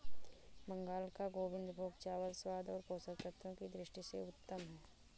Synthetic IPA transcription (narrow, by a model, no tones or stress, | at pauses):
mə̃ŋɡaːlkaɡoːʋɪ̃nd̪bʱoːɡt͡ʃaːʋəlswaːd̪ɔːɾkoːsəɾkɾət̪ɾõkid̪ɾɪʃʈisḛʊt̪ːəmɦɛ